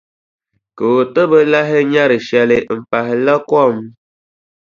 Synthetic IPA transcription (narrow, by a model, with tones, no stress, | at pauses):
kə˨o˨tə˦bə˦la˦ɦe˦ɲa˦ɾi˨ʃja˦le˨m̩˨pa˨ɦe˨lə˦kɔ˦˨m˦